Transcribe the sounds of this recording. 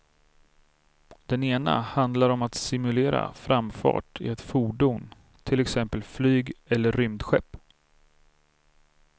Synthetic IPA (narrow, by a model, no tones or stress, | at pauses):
d̪ɛneːna̰hand̪laɾɔmat̪sɪmɵleːɾa̰fɾamːfɑ̰ːʈɪ̰ɛt̪fuːɖʊmn | t̪ʰɪlɛksɛmpəlflyːɡɛlːəɾːʏmd̪ɧɛpː